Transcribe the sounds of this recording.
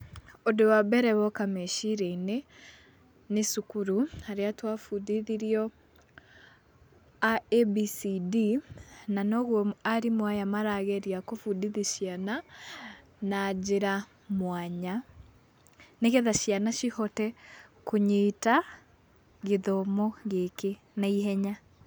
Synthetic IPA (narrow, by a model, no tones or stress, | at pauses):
odowabɛɾɛβɔkameʃiɾɛine | nesukuɾuaɾeatwafudiðiɾiɔ | aɛbisidinanɔɣwɔaɾimwajamaɾaɣɛɾiakofudiðiʃjana | nad͡ʒeɾa | mwaɲa | neɣeðaʃjanaʃihɔtɛkuɲeta | ɣeðɔmɔɣeke | naiɦɛɲa